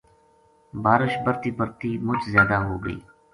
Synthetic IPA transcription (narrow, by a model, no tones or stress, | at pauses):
baːɾɪʃbəɾt̪iːbəɾt̪iːmʊt͡ʃʰzjaːd̪aːɦoːɡə̰ḭː